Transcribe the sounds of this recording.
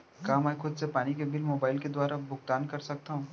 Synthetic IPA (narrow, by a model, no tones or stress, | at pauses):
kaːmɛːxʊd̪sepaːnikebɪlmoːbaːɪlked̪waːɾabʊɡ̚t̪aːnkɐɾsɐk̚t̪aɦũː